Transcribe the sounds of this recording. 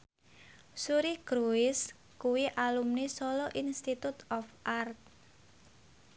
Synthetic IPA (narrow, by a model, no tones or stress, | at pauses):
suɾiɡ̥ɾuɪs | kuwiʔalumnesɔlɔʔinst̪it̪ut̪ɔfʔart̪̚